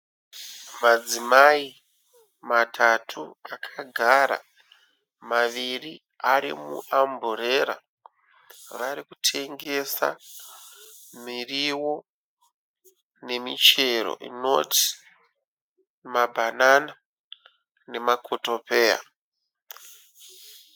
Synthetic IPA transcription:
mad͡zimai | matʰatʰuakʰaɡʱaɾa̰ | maʋiri | aɾimṵamboɾe̞ɾa̰ | ʋaɾikutʰe̞ŋɡe̞sa̰ | miriwo̞ | ne̞mit͡ʃe̞ro̞̰ʔḭno̞ti̥ | mabʱanana | ne̞makʰoto̞pe̞ːja̰

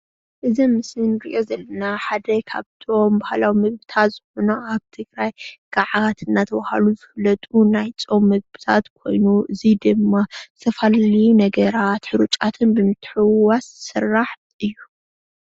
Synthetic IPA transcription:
ʔɨzimɨsɨnɾɨʔjo̞zɐlːɐnaħad̪ɐkʰaβt̪ʰo̞mbahalawimɨɡbɨt̪ʰat̪z̥ɨxonaaβt̪ʰɨɡɾajɡ̥aʕat̪ʰɨnːat̪ʰɐβaha̰luzɨflːɐt̪ʼunajt͡sʼo̞mːɨɡ̚bɨt̪ʰa̰t̪kʰo̞jnuʔɨzid̪ɨmːasɐfalinɐɡɐɾat̪ħɨɾut͡ʃʼat̪ʰɨnbɨmɨt̪ʰːħɨwassɨrːaħ | ʔɨjːu

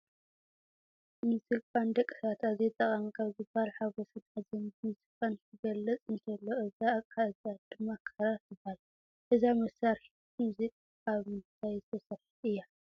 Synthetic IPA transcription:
mɨzɨlkʼand̪ɐkʼːɨ̥sat̪azet̪ʼɐχʼɐmikʰaβzɨbalħaɡosɐt̪azɐnmuzikʼantʰɨɡɐlːɐt͡sʼɨnt̪ʰɐlːoʔɨzakʰʼazad̪ɨmːakʰɐɾazɨbal | ʔɨzamɐsaɾħi̥ | kʰɨmzɨkʼ | aβmt̪ʰajzɨt̪ʰɐsɐɾħiɨjːa

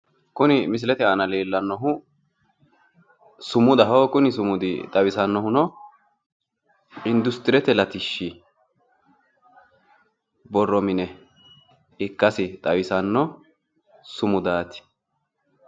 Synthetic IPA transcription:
kʊnɪmɪs̬ɪlɛt̪ɛaːnɐleːlːɐnːɔɦʊ | sʊmʊd̪ɐɦɔːkʊnɪsʊmʊd̪ɪt̪ʼɐwɪsɐnːɔhʊnɔ | ɪnd̪ʊst̪ɪɾɛt̪ɛlɐt̪ɪʃːɪ | bɔrːɔmɪnɛ | ɪkːɐsɪt̪ʼɐwɪsɐnːɔ | sʊmʊd̪aːt̪ɪ̥

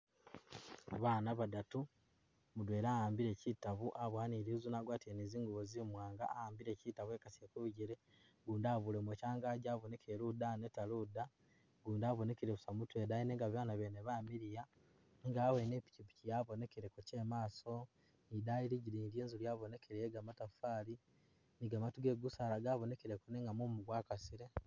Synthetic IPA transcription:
aβaːnaβadatu | mudwe̞ːɾaːhaːmbiɾe̞ːcitaβuʔaβwaːniɾizunaɡwaːteniziːŋɡuβozimwaːŋɡa̰ːhaːmbiɾe̞ːcitaβwe̞ːkasiekuβuɟiɾe | ɡuːndaːβulemwecaːŋɡaɟaːβone̞kʰeɾudanetaluda | ɡuːndaːβone̞keɾeβusamutwedaineŋɡaβjaːnaβeneβamiɾija | ŋɡaːwenepi̥cipi̥cijaβo̞ne̞keɾekuceːmaːso̞ | nidajiɾiɟiɾiːndjeːnzulujaβo̞ne̞kʰeɾejeɡamatafaːli | niɡamatuɡe̞ɡusaːlaɡaːβo̞ne̞keɾekoneːŋɡamumuɡwaːkasiɾe

